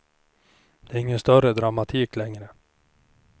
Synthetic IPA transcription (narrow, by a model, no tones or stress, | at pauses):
d̪̥ɛːɾɪŋːənst̪œɾəd̪ɾamat̪ʰiːklɛŋɾə